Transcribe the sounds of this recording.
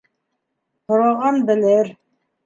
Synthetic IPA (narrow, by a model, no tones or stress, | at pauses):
hoɾɑʁɑnbɘ̆lɘɾ